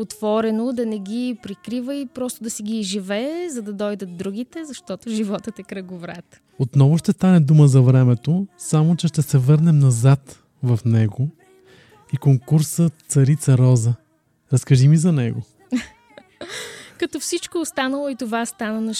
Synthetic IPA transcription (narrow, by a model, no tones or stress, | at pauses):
ot̪v̥ɔɾɛnod̪ɐnɛɡʲipɾikɾivəipɾɔst̪od̪ɐsiɡʲiːʒivɛːzɐd̪ɐd̪ɔjd̪ət̪d̪ɾuɡ̟it̪ɛzɐʃt̪ɔt̪ʊʒivɔt̪ət̪ɛkɾɐɡʊvɾat̪ | ot̪nɔvʊʃt̪ɛst̪anɛd̪uməzɐvɾɛmɛt̪osamot͡ʃɛʃt̪ɛsɛvɤɾnɛmnɐzat̪ | vɐfnɛɡo | ikoŋkuɾsət̪sɐɾit̪sɐɾɔzə | ɾɐskɐʒimizɐnɛɡo | kɐt̪ɔfsit͡ʃkoːst̪anəlˠoit̪ovast̪anɐnɐ